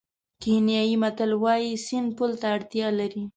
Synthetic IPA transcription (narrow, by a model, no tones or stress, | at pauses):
kenjɑjimat̪alwɑjisɪnpult̪aːɽt̪jɑlaɾi